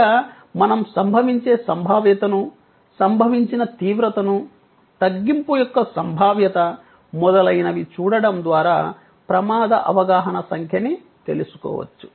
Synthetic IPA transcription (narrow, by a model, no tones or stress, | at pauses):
aː | mɐnɐmsɐmbʱɐʋiɲt͡ʃe̞ːsɐmbʱaːʋjɐt̪ɐnu | sɐmbʱɐʋiɲt͡ʃinɐt̪iːʋɾɐt̪ɐnu | t̪ɐɡːimpujɔkːɐsɐmbʱaːʋjɐt̪ɐ | mɔd̪ɐlɐjnɐʋit͡ʃuːɽɐɽɐmd̪ʋaːɾaː | pɾɐmaːd̪ɐʔɐ̰ʋɐɡaːɦɐnɐsɐŋkʰjɐni | t̪e̞lusu̥kɔ̰ːʋɐ̰t͡ʃːu̥